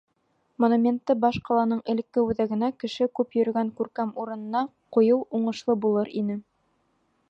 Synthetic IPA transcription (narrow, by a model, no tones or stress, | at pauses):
monumʲent̪ːɤbɑʃqɑlˠɑnɤɴʔɘ̆lɘ̆kːɘʉðæɡɘ̆nækɘ̆ʃɘkʉpjɵ̆ɾɘ̆ɡæŋkʉɾkæmuɾɤ̆nɤ̆nɑ | qojɤwuɴɤ̆ʃlˠɤbulˠɤɾinɘ